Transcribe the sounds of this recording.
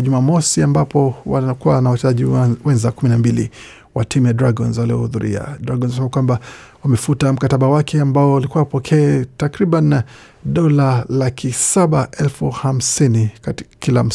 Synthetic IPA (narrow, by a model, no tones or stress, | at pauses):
ʄumamɔsiambapɔwakuwanawat͡ʃɛzaʄiwɛnzakuminambilḭ | watimujadɾaɡɔnzaliɔ̰huðuɾḭa̰dɾaɡɔnzsɛmakwamba | wamɛfutam̩kataɓawakʰɛambaɔalikuwawapɔkʰɛːtakɾiɓan | ɗɔlalakʰisaɓaɛlfuham̩sinikkilam̩